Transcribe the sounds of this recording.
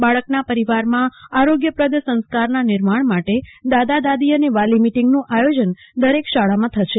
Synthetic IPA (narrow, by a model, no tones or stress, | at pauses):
baɭəknapəɾiʋaɾmãaɾoɡjəpɾəd̪əsə̃nskaɾnanɪɾmaɳmaʈed̪ad̪ad̪ad̪iəneʋalimiʈiŋɡnũʔajod͡ʒən | d̪əɾekʃaɭamãt̪ʰəʃe